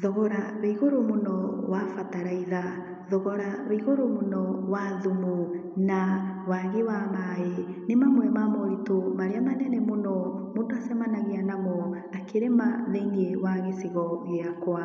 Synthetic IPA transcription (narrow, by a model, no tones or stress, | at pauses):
ðɔɣɔɾaβaiɣoɾomonɔwafataɾaiða | ðɔɣɔɾaβeiɣoɾomonɔwaðumu | nawaɣewamaenemamwɛmamɔɾitomaɾeamanɛnɛmonɔmodoasɛmanaɣeanamɔ | akeɾemaðeiniewaɣesiɣɔɣeakwa